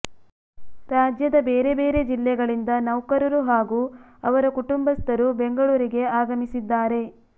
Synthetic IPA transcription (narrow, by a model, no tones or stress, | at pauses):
ɾaːd͡ʒjɐd̪ɐbeːɾe̞be̞ːɾe̞d͡ʒilːɛɡɐɭind̪ɐnɐwkɐɾɐɾuɦaːɡuː | ɐʋɐɾɐkuʈumbɐst̪ɐɾubeŋɡɐɭuːɾiɡe̞aːɡɐmisid̪ːaːɾe̞